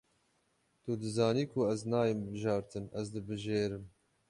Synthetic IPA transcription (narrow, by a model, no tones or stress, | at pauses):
t̪ud̪ɨzɑːniːkʰʊɛznɑːjimbɨʒɑːɾt̪ʰɨnɛzd̪ɨbɨʒeːɾɨm